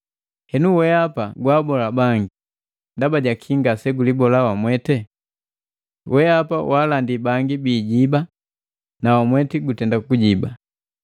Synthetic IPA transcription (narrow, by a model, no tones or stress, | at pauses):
hɛnuwɛapaɡwaːbɔlabaŋɡi | ndabaɟakʰiŋɡasɛɡulibɔlawamwɛtɛ | wʔɛapawalandibaŋɡibiːɟiba | nawamwɛtiɡutɛndakuɟiba